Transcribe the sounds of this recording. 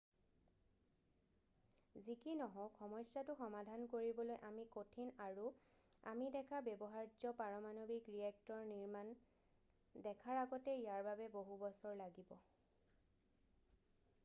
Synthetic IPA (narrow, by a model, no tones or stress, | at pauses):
zikinɔɦɔ̃xʰɔmɔjsatʊxɔmadʱankoɹibɔlojʔamikotʰinaɹu | a̰midɛkʰabɛbɔɦaɹd͡ʒɔpaɹɔmanobikɹiɛk̚tɔɹniɹman | dɛkʰaɹaɡɔtɛijaɹbabɛboɦubɔsɔɹlaɡibɔ